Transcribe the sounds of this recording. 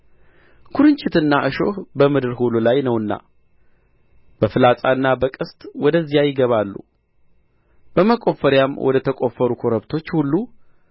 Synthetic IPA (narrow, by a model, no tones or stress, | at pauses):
kʰuɾɨɲt͡ʃʼɪt̪ɨnːaʔɨʃo̞hbəmɨd̪ɨɾɦululajnəwɨnːa̰ | b̥əfɨlasʼaɨnːabəkʼɨst̪ʼwɔd̪əzːijajɪɡəβalːṵ | b̥əməkʼo̞fəɾjamwʔɔ̰d̪ət̪ʰəkʼofəɾukʰoɾəβt̪ʰo̞t͡ʃːhulːu